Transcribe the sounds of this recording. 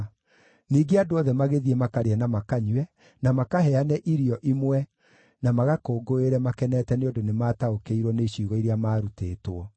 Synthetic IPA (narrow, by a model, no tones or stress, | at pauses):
niːɡeadoɔðɛmaɣeðiemakaɾeanamakaɲwɛ | namakaɦɛanɛʔiɾiɔʔimwɛ | namaɣakoːɡoeɾɛmakɛnɛːtɛneondonemaːtaokeiɾwɔneɕiːɣɔiɾeamaːɾuteːtwɔ